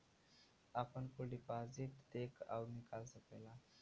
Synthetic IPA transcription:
apənkuɖipazit̪d̪ekʰa̰wnikalsəpela

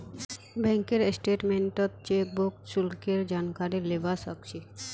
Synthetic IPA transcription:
bɛŋkeɾesʈeʈmeɳʈot̪̚t͡ɕek̚bokʃulkeɾd͡ʑankaɾiɾlebasəkʃi

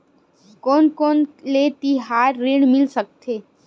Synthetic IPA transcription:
kɔːnkoːnlet̪iɦaːɾːeːɳmɪlsək̚t̪ʰeː

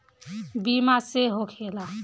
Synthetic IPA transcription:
bimaseɦokʰela

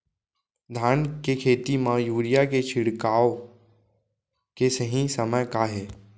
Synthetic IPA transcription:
d̪ʱaːnkekʰeːt̪imãjuːɾɪjaket͡ʃʰɪɽkaːo | kesəɦĩsəməjkaɦɛː

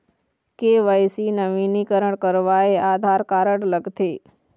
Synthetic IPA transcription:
keʋəjsinəʋinikəɾəɳkəɾʋaeʔad̪ʱaɾkaɾəɽləɡt̪ʰe

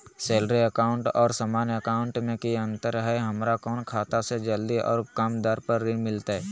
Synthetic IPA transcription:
seːlɾeəkaːʊ̃ɳʈɔːɾsəmaːnəkaːʊ̃ɳʈmẽkiə̃nt̪əɾɦɛɦɐmɾakɔːnkʰaːt̪ased͡ʒəld̪iʔɔ̰ːɾkəmd̪əɾpəɾːimɪlt̪aɦɛː

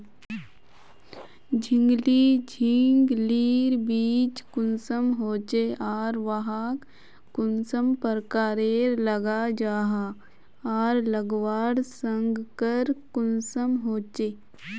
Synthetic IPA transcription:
d͡ʒʱɪ̃ŋɡliːd͡ʒʱiŋɡliːɾbiːt͡ʃkʊnsəmɦoːt͡ʃeaːɾʋaɦaːkː | ʊnsəmpəɾkaːɾeːɾləɡad͡ʒaːɦa | aːɾləɡʋaːɽsə̃ŋɡkəɾkʊnsəmɦoːt͡ʃeː

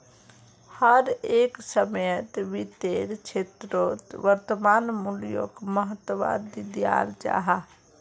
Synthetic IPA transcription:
həɾeːksəməjət̪ʋit̪eːɾt͡ʃʰet̪ɾoːt̪ʋəɾt̪əmaːnmuljo̰ːkməɦət̪əʋa̰ːd̪id̪ja̰ːɾd͡ʒa̰ɦa

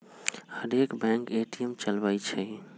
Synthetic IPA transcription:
həɾekbɛ̃ŋkeʈiəmt͡ʃəlbəjt͡ʃʰɛ

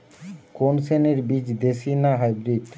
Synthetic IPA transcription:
konseneɾbid͡ʑd̪esinaɦajbɾiɖ

